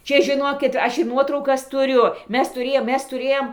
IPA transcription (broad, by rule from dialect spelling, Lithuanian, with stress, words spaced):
ˈt͡ʃʲɛ ʒʲɪˈnoːkʲɪt ˈɐʃ ɪr ˈnuɔtrɐʊkɐs tʊˈrʲʊ ˈmʲɛs tʊˈrʲeːjoːm ˈmʲɛs tʊˈrʲeːjoːm